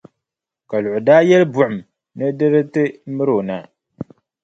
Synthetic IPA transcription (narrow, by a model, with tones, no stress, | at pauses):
ka˨lʊ˨ʔʊ˨daː˦jɛ˦lbʊ˨ʔʊ˨m | nɨ˦dɨ˦ɾɨ˦tɨ˦mɨ˦ɾo˨na˨